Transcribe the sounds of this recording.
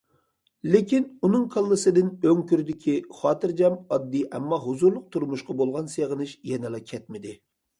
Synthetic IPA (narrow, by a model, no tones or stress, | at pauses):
lɪkʲinunɨŋqʰɑlˠːɨsɨd̪ɪnøŋkʲyɾd̪ɪkʲʰiχɑːt̪ɨɾd͡ʒɛmɑd̪ːiɛmːɑɦuzuɾlˠʊq̚t̪ʰuɾmuʃqɑbolˠʁɑnseʁənɨʃjɛnɨlˠɑkʲʰɛt̪̚mɪd̪ɪ